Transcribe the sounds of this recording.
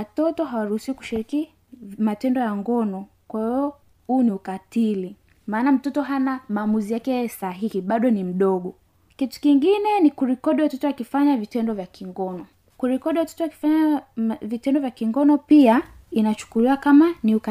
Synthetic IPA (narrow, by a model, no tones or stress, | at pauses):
watɔtɔɦawaɾuhusiwiku̥ʃiɾiki | matɛndɔjaŋɡɔnɔ | kwahiɔ | huːniukatili | maːnam̩tɔtɔɦanamaːmuzijakɛsaɦihiɓaɗɔnim̩ɗɔɠɔ | kitu̥kiŋɡinɛnikuɾɛkɔɗiwatɔtɔwakifaɲavitɛndɔvjakʰiŋɡɔnɔ | kuɾɛkɔɗiwatɔ̥tɔwaki̥faɲavitɛndɔvjakiŋɡɔnɔpiainat͡ʃu̥kuliwakamaniuka